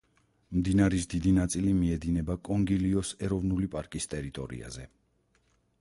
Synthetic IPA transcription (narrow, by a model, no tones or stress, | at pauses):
md̪inaɾis̬d̪id̪inat̪sʼilimiɛd̪inɛbakʼɔŋɡiliɔsɛɾɔvnulipʼaɾkʼist̪ʼɛɾit̪ʼɔɾḭa̰zɛ